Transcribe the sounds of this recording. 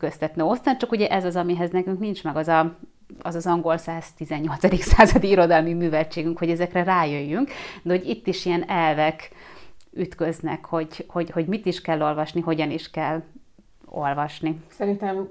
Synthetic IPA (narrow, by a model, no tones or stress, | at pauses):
køst̪ɛt̪nøo̞st̪aːnt͡ʃɒkuɟɛʔɛzɒzɒmiɦɛznɛkyŋknint͡ʃmɛɡɒzɒ | ɒzɒzɒŋɡo̞lsaːz̥t̪izɛɲːo̞lt̪sɒd̪iksaːzɒd̪iiɾo̞d̪ɒlmimyːvɛlt͡ʃeːɡyŋkho̞ɟɛzɛkrɛraːjøjːyŋkd̪ɛoɟit̪ːiʃijɛnɛlvɛk | yt̪kø̞znɛ̰kho̞ɟho̞ɟho̞ɟmit̪iʃkɛlːo̞lvɒʃniɦo̞ɟɒniʃkɛlː | o̞̰lvɒʃnisɛɾint̪ɛm